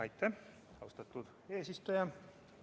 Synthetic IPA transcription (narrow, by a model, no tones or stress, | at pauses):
ɑjt̪ːe | ɑust̪et̪ːut̪ | eːsist̪øjæ